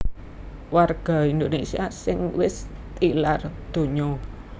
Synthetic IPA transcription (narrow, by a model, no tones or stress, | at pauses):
warɡ̥ɔ̤ind̪onesiasɪŋwɪst̪ilard̪̥o̤ɲɔ